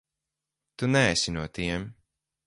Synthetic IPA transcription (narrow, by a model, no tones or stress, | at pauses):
t̪unæːsʲinuɔt̪iɛm